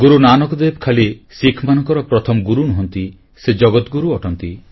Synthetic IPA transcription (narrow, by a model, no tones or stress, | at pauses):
ɡuɾunanɔkɔd̪ebkʰalisikʰmanɔŋkɔɾɔpɾɔt̪ʰɔmɔɡuɾunuɦɔnt̪i | sed͡ʒɔɡɔt̪ɡuɾuɔʈɔnt̪i